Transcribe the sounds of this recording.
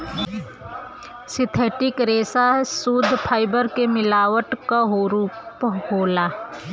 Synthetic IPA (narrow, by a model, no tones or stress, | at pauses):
sɪt̪ʰeːʈɪkɾeːsasuːd̪ʱpʰaːɪbəɾkemɪlaːwəʈkaɦphoːlaː